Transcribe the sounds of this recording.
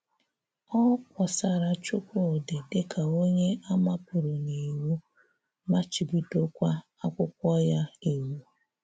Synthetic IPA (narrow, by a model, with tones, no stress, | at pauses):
ɔ˦kʷɔ˨sa˨ɾa˨t͡ʃʊ˦kʷʊ˦˨dɪ˨dɪ˦kʰa˨o˦ɲe˦a˦ma˦pʊ˨ɾʊ˨ni˨wu˦ | ma˦t͡ʃi˨bi˨to˦kʷa˦ | a˦kʷʊ˦kʷɔ˦ja˦i˨wu˦